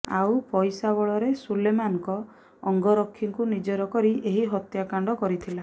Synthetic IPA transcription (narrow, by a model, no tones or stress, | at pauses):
a̰wpɔjsabɔɭɔɾesulemanŋkɔː | ŋɡɔɾɔkʰːiŋkunid͡ʒɔɾɔkɔɾiʔeɦiɦɔt̪jakaɳɖɔkɔɾit̪ʰila